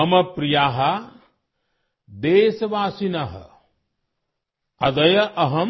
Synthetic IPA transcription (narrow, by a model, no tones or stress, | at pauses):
ɐmɐpɾijaːɦɐ | d̪eːsɐʋaːsinɐɦɐ̰ | ɐd̪ɐjɐʔɐɦɐ